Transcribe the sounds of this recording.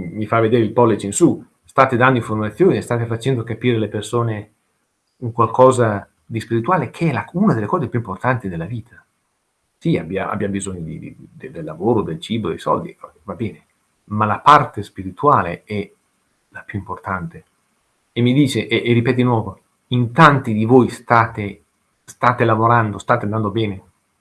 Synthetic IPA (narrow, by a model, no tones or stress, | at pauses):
mifavːed̪eːɾeilpɔlːit͡ʃinsu | st̪aːt̪ed̪and̪oiɱformat̪sːjoːnist̪aːt̪efat͡ʃɛnd̪okapiːɾelepersoːne | uŋkwalkʰɔːza | d̪ispiɾit̪uaːlekʰeɛlaunad̪elːekɔːzepjuimport̪ant̪id̪elːaviːt̪ʰḁ | siabːjaa̰bːjabizoɲːod̪id̪̰id̪ed̪elːavoːɾod̪elt͡ʃiːbod̪ḛjsɔ̰ld̪ikɔvabɛːne | malapart̪espiɾit̪uaːleɛ | lapjuimport̪ant̪e | emːid̪iːt͡ʃeʔɛʔeripɛːt̪d̪inwɔːvo | int̪ant̪id̪ivojst̪aːt̪e | st̪aːt̪elavoɾand̪ost̪aːt̪eand̪and̪obɛːne